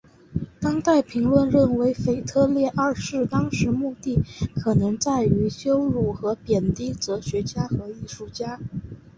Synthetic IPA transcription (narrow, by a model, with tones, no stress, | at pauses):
t̪ɑ˥ŋt̪a˥˩ɪpʰi˧˥ŋlwə˥˧nɻə˥˩nwe˧˥ɪfe˨˩ɪt̪ʰɤ˥˧ljɛ˥˧ʔa˥˧ʂɻ̩˥˧t̪ɑ˥ŋʂɻ̩˧˥mu˥˧t̪i˥˩kʰɤ˨˩nɤ˧˥ŋt͡sa˥˩ɪy˧˥ɕjo˥ʊɻu˥˩xɤ˧˥pjɛ˨˩nt̪i˥t͡sɤ˧˥ɕɥɛ˧˥t͡ɕja˥xɤ˧˥i˥˧ʂu˥˩t͡ɕja˥